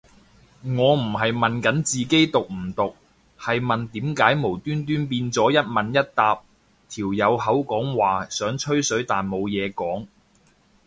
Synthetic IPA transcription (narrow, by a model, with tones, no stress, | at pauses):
ŋɔː˨˧m̩˨˩ɦɐ˨jmɐ˨nkɐ˨˥nt͡siː˨ke˥jt̪ʊ˨k̚m̩˨˩t̪ʊ˨k̚ | hɐ˨jmɐ˨nt̪iː˨˥mkaː˨˥jmo˨˩wt̪yː˥nt̪yː˥npiː˧nt͡sɔː˨˥jɐ˥t̚mɐ˨njɐ˥t̚t̪aː˧p̚ | t̪ʰiː˨˩wjɐ˨˧whɐ˨˥wkɔː˨˥ŋwaː˨sœː˨˥ŋt͡ʃʰɵ˥ɥsɵ˨˥ɥt̪aː˨nmo˨˧wjɛː˨˧kɔː˨˥ŋ